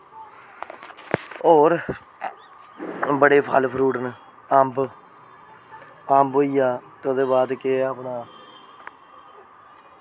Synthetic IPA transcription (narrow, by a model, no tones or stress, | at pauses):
oːɾ | bəɽeːpʰa̰ːlpʰɾuːʈən | amb | ambɦoːiːjaːt̪eod̪eːbaːd̪keaːpɳaː